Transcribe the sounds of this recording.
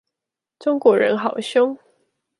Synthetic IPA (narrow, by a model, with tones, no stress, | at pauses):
ʈ͡ʂʊ˥ŋkwɔ˨˧˥ɻə̰˧˥nxɑ˨˩˦ʊɕjʊ˥ŋ